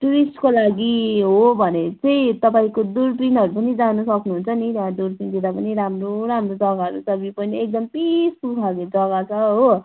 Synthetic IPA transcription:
ʈuɾisʈkolaɡiɦobʱʌnet͡sʌĩt̪ʌpaĩkod̪uɾpinʌɾupʌnid͡zanusʌknuɦunt͡sʰʌnit̪ʌãd̪urpind̪id̪apʌniɾamroɾamrod͡zʌɡaɦʌɾut͡sʌbipʌniek̚d̪ʌmpispukʰaɡed͡zʌɡat͡sʰʌɦo

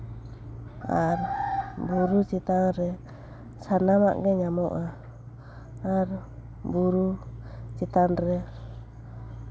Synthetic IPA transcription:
aɾbuɾut͡ʃit̪aŋɾɛ | sanama̰ʔɡɛɲamɔʔa | ɾ | buɾut͡ʃit̪anɾɛ

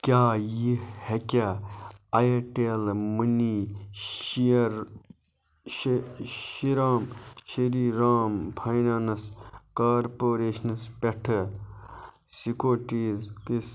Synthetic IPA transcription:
kʲaːjihekʲa | ɐjeʈeːlmɨni | ɾ | ʃiɾaːmʃɐɾiːɾaːmpʰɐjnaːnɐskaːɾpoːɾeːʃnɐspeʈʰɐ | sikoːʈiːzkis

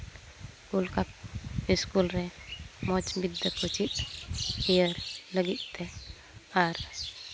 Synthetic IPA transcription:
ulkak̚iskulɾɛmɔt͡ʃbid̪ːəkʰot͡ʃit̪̚ | ijəɾləɡit̪̚t̪ɛ | aɾ

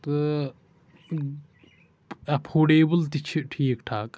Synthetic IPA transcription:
t̪ɨ | ɐpʰoːɖeːbəlt̪it͡ʃʰiʈʰiːkʈʰaːk

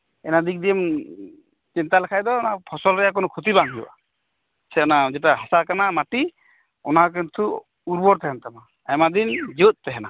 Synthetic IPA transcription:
ɛnad̪ik̚d̪iɛm | t͡ʃint̪alɛkʰajd̪ɔnapʰɔsɔlɾɛjak̬ɔnɔkʰut̪̬ibaŋɦḭa̰ | sʰɛɔnad͡ʒɛʈaɦasakanamaʈi | ɔnak̬ɛnt̪ʰu | uɾbɔɾt̪ɛɦɛnt̪ama | ajmad̪ind͡ʒut̪̚ˀt̪ɛɦɛna

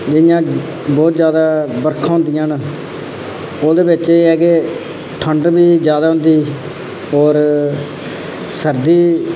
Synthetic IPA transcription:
d͡ʒɪjãː | bɔːt̪d͡ʒjaːd̪aːbəɾkʰãːɦʊ̃nd̪ɪjãːnː | oːd̪eːbɪt͡ʃeːɛːɡeː | ʈʰəɳɖbiːd͡ʒjaːd̪aːɦʊ̃nd̪iː | ɔːɾ | səɾd̪iː

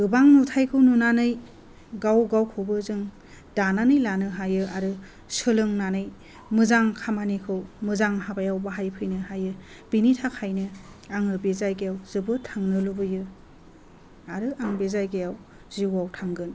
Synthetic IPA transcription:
ɡɯbaŋnutʰajkʰɯwnunanɯj | ɡawɡawkʰɯbɯzɯŋ | d̥ananɯjlanɯɦajɯʔaɾɯ | sɯlɯŋnanɯj | mɯzaŋkʰamanikʰɯwmɯzaŋɦabajawbaɦajpʰɯjnɯɦajɯ | b̥initʰakʰajnɯ | aŋɯbezajɡejawzɯbɯtʰaŋnɯlubɯjɯ | aɾɯʔaŋbezajɡejaw | ziwawtʰaŋɡɯn

